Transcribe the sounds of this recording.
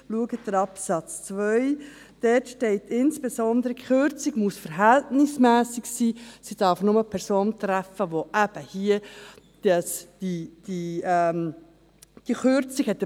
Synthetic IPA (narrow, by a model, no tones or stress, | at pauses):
luəɡəd̥əɾɑpsɑt͡st͡svœʏ | d̥ɛtʃtɛɪtɪnsb̥esɔnd̪əɾəkχøɾt͡siɡmusfəɾɦɛltnɪsmæːsiɡsiːsid̥ɑɾfnʊməpʰɛɾsoːnt̪ɾæfəʋoʔæb̥əhiə | d̥ɑsd̥id̥iɛm | d̥iəχøɾt͡sikhɛtːə